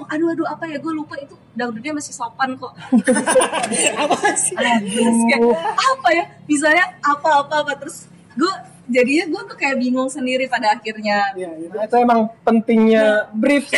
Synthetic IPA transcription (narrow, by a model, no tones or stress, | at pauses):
ŋaduaduapajaɡualupait̪u | daŋbudɲamasɪhsopank̪ɔʔ | apasakaapajabis̬aɲaapaːpaːpat̪əɾʊs | ɡua | d͡ʒadiɲaɡuaut̪ukajaʔbiŋʊŋsəndiɾipadaːkirɲaat̪aemaŋpənt̪ɪŋɲabɾif